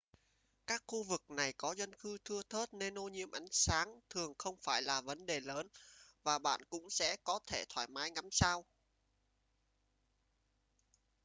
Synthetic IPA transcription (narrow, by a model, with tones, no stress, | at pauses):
kaː˦˥k̚xu˧vɨ˨˩k̚na˨˩jkɔ˨˦zwə˧nxɨ˨˧˦t̪ʰɨ˧ət̪ʰə˦˥t̚ne˧nʔo˧ɲḭ˧˥əmʔa˨˦jŋ̟saː˨˦ŋt̪ʰɨ˨˩əŋxə˧wŋ͡mfaː˧˩jlaː˨˩və˨˦nɗe˨˩ləː˨˦nvaː˨˩ɓa̰ː˧˨nkʊ̰˧˥ŋ͡msɛ̰˧˥kɔ˨˦t̪ʰe˧˩t̪ʰwaː˧˩jmaː˨˦jŋa˨˦msaː˧w